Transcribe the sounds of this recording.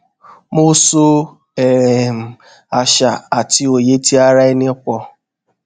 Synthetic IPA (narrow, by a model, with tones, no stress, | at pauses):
mu˦so˦ | e˨ɾe˨m̩˨ | a˨ʃa˨a˨tɪ˨˦o˨je˦ti˦a˦ɾa˦i˦ne˦kʷɔ˦